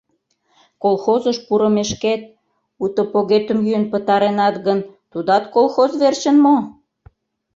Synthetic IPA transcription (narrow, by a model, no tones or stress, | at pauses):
kolˠxozəʃpuɾə̆meʃket̪̚ | ut̪opoɣet̪ə̆mjyənpət̪ɑɾenɑt̪ɣənt̪ud̪ɑt̪kolˠxozβert͡ɕə̆nmo